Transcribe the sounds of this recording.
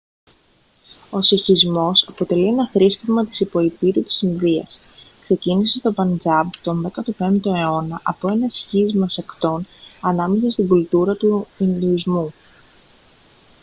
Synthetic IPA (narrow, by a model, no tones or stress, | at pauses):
o̞siçizmo̞sɐpo̞t̪e̞lie̞nɐθɾiscevmɐt̪i̥sipo̞ipiɾut̪i̥sinðiɐ̰s | kse̞cinise̞t̪o̞bɐnd͡zɐbt̪o̞nðe̞kɐt̪upe̞nd̪d̪oe̞o̞nɐʔɐpo̞e̞nɐsçizmɐsekt̪o̞nɐnɐme̞sɐst̪iɡult̪uɾɐt̪uind̪iizmu